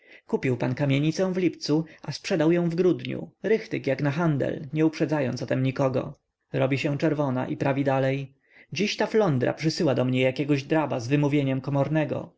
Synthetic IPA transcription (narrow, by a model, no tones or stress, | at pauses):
kupʲiwpankamʲjeɲit̪sɛ̃w̃vlʲipt̪suʔaspʂɛd̪awjɔ̃w̃vɡɾud̪ɲṵɾɘxt̪ɘkjaknaxand̪ɛ̰lɲɛupʂɛd̪zajɔnɔt̪ɛmɲikɔɡɔ̰ | ɾɔbʲiɕɛ̃t͡ʂɛɾvɔna̰ʔipɾavʲid̪alɛj | d͡ʑiɕt̪aflɔnd̪ɾa̰pʂɘsɘwad̪ɔmɲɛjakʲɛɡɔʑd̪ɾabazvɘmuvʲjeɲɛmkɔmɔɾnɛɡɔ̰